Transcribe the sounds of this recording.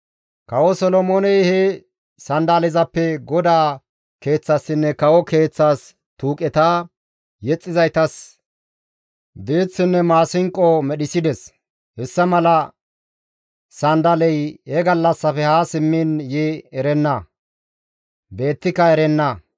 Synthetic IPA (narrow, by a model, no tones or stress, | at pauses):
kɐwɔsɔlɔmonɛjhɛ | sɐnd̪alɪzɐpːɛɡɔd̪aː | ke̞ːt͡sːɐsːɪnːɛkɐwɔke̞ːt͡sːaːs | t̪uːkʼɛt̪aː | jɛt͡sʼːɪzɐjt̪ɐs | d̪eːt͡sːɪnːɛmaːsɪŋkʼɔmɛɗɪsɪd̪ɛs | hɛsːɐmɐlɐ | sɐnd̪ɐlɛjhɛɡɐlːɐsːɐfɛhaːsɪmːɪnjɪɛɾɛnːɐ | be̞ːt̪ːɪkːɐɛɾɛnːɐ